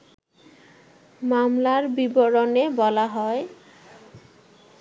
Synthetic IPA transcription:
mamlaɾbiboɾonebɔlaɦɔe

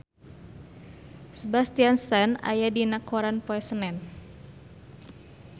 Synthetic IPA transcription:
səbast̪ianst̪ana̰jadinakʰɔɾanpɔɛsənɛn

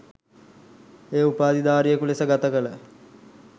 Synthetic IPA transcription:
eːupaːd̪id̪aːɾijəkulesəɡat̪əkələ

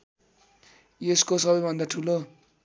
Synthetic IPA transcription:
eskosʌbʌjbʱʌnd̪aʈʰulo

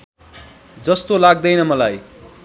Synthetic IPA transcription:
d͡zʌst̪olaɡ̚d̪ʌjnʌmʌlaj

